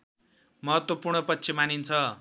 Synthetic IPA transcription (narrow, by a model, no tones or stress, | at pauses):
mʌɦʌt̪wʌpurɳʌpʌtːt͡sʰimanint͡sʰʌ